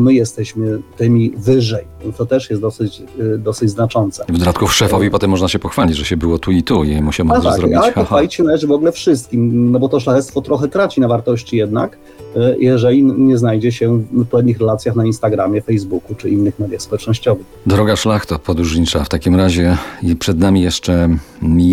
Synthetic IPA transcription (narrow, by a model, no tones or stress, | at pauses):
mɘjɛst̪ɛɕmɘt̪ɘmʲivɘʐɛjt̪ɔt̪ɛʂjɛst̪d̪ɔsɘt͡ɕd̪ɔsɘd͡ʑznat͡ʂɔnt̪sɛvd̪ɔd̪at̪kufʂɛfɔvʲipɔt̪ɛmːɔʐnaɕɛpɔxfalʲid͡ʑʐɛɕɛbɘwɔt̪uit̪ujɛjmuɕɛmaɾaaɾɔialɛɔfalʲit͡ɕɕɛnalɛʐɘvɔɡlɛfʂɘs̬t̪̚kʲimnɔbɔt̪ɔʂ̬laxɛt̪st̪fɔt̪ɾɔxɛt̪ɾat͡ɕinavaɾt̪ɔɕt͡ɕijɛd̪na̰k | jʔɛʐɛlʲiɲɛznajd͡ʑɛɕɛpwɛd̪ɲixɾɛlat̪sʲjaxnainst̪aɡɾamʲjɛfɛjzbukut͡ʂɘʔinːɘxmɛd̪jafspɔwɛt͡ʂnɔɕt͡ɕɔvɘxd̪ɾɔɡaʂlaxt̪ɔpɔd̪ɾuʐɲit͡ʂaft̪akʲimɾaʑɛipʂɛd̪namʲijɛʂt͡ʂɛ | mʲi